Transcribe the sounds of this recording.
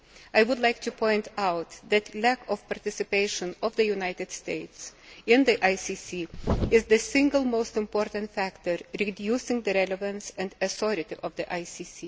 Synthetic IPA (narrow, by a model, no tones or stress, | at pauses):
aɪwʊdˡlaɪk̚tupʰɔ̃ɪ̃ntaʊt̪ðɨtʰlækɔv̥paɹtɪsɨpeɪʃɨ̃nɔvðɨjunaɪtɨd̥steɪtsɪ̃nðiʔaɪsisiɪzðɨsɪ̃ŋɡəlˠmoʊstɨ̃mpɔɹtɨ̃ntfæktəɹɹidjusɪ̃ŋðɨɾɛləvə̃nsɨ̃ndɨsɔɾɨtiʔʌvðiʔaɪsisi